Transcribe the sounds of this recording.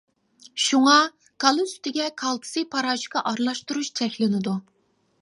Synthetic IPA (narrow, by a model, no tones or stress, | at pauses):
ʃuŋɑ | kʰɑlˠɨsy̥t̪ʰɪɡʲɛkʰɑlˠt̪ʰɨ̥sɨpʰɑɾɑːʒqʰɑʔɑɾlˠɑʃt̪uɾuʃt͡ʃʰɛkʲlɪnɪd̪u